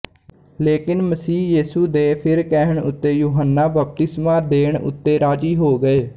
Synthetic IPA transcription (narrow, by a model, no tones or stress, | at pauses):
leːkɪnməsiːjiːsuːd̪eːpʰɪɾkɛɦəɳʊt̪ːeːjuːɦənːaːbəp̚t̪ɪsmãːd̪eːɳʊ̰t̪ːeːɾaːd͡ʒiːɦoːɡəeː